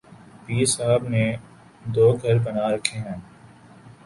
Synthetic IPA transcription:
piːsaːəbneː | d̪oːɡʱəɾbənaːɾɐkʰːeːɦɛ̃ː

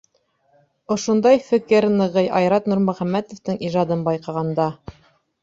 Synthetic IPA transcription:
ŏʃŏnd̪ɑjfɘ̆kɘɾnɤ̆ʁɤjʔɑjɾɑt̪nuɾmɵ̆χæmːæt̪ŏft̪ɤŋiʒɑd̪ɤnbɑjqɑʁɑnd̪ɑ

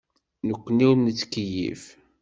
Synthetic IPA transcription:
nəkʷːəniwnːət͡sːkəjḭf

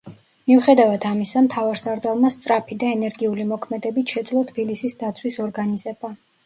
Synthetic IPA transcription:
miuχɛd̪avad̪amisamt̪ʰavaɾsaɾd̪alˠmast̪sʼɾapʰid̪aɛnɛɾɡiulimɔkʰmɛd̪ɛbit̪ʰʃɛd̪zlˠɔt̪ʰb̥ilisisd̪at̪sʰwisɔɾɡanizɛba

